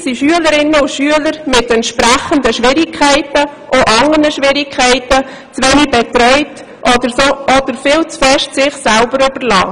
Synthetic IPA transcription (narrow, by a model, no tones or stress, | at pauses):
siʃyələɾɪnːəʊʃyələɾmɪtɛntʃpɾæχəndəʃʋɪɾɪkʰæɪtə | ʔoʔɑŋənəʃʋɪɾɪkʰːɛɪtə | t͡sʋɛːniɡ̚bɛt̪ɾœʏt | ʔɔdəɾsoʔɔdəɾfɪːlt͡sfɛʃtsɪχsælbəɾyb̥əɾlɑ̰ː